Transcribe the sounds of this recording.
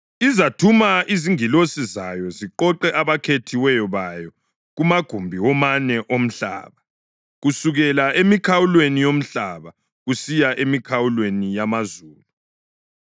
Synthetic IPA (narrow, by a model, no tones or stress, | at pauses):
izatʰumaiziŋilosizajɔziǃɔǃɛʔaβakʰetʰiwɛjɔβajɔ | ɣumaɡ̥ʱumbʱiwɔmanɛʔom̩ɬa̰ːβa | ɣusuɣɛlaemikʰawulwenijom̩ɬaβa | ɣusijaʔemikʰawulwenijamazuːlu